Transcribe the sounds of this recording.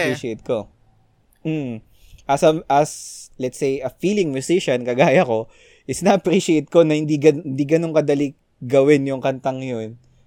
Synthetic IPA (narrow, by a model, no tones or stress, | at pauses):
pɾiʃɛt̪̚ko̞ | m̩ | ʔɐsɐmʔɐslɛt̪sejʔɐfiːlɪŋmjʊsɪʃɐnkɐɡaːjɐko̞ | ʔɪsnɐʔɐpɾiːʃet̪̚ko̞nɐhɪnd̪iɡɐɪnd̪iɡɐnoŋkɐd̪ɐli | ɡɐwɪnjʊŋkɐnt̪ɐŋjon